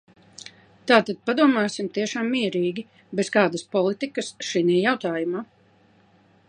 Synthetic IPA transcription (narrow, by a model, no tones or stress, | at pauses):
t̪aːt̪ad̪̥̚pad̪uɔmaːsimt̪iɛʃaːmːiɛɾiːɡʲi | bɛskaːd̪ɐspɔlˠit̪ikɐsʃiniːjawt̪aːjumaː